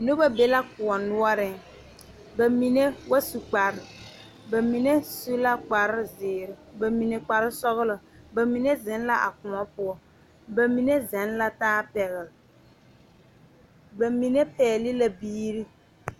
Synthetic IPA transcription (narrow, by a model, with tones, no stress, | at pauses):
nʊ˦ba˦be˦la˦kʊ˨ɔ˨nʊ˦ɔ˦ɾɪ˦ŋ | ba˨mi˨ne˦wa˦su˨k͡pa˨ɾɪ˨ | ba˨mi˨ne˦su˦la˦k͡pa˨ɾɪ˦zɪː˨ɾɪ˨ba˨mi˨ne˨k͡pa˨ɾɪ˦sɔ˦ɣlʊ˨ba˨mi˨ne˦zɪ˨˦n˦la˦ʔa̰˨kʊ˨ɔ˦pʊ˦ɔ˦ | ba˨mi˨ne˦zɛ˨˦nla˦taː˦pɛ˨ɣɪ˨l | ba˨mi˨ne˦pɛː˨lɪ˦la˦biː˦ɾi˦